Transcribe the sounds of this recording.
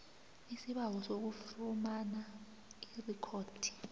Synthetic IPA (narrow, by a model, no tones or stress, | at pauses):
isiɓak̬ɔsok̬ufumana | irikʰoːd̥ʱi̥